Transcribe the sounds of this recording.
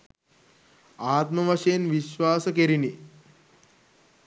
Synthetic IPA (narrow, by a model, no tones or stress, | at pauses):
aːt̪mɐʋɐʃenʋiʃʋaːsəkeɾini